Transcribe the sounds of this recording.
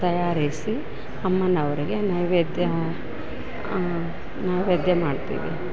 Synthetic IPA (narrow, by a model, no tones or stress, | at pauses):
t̪ɐjaːɾisi | ɐmːɐnɐʋɐɾiɡe̞nɐjʋed̪jɐ | najʋed̪jɐmaːɖt̪ḭːʋḭ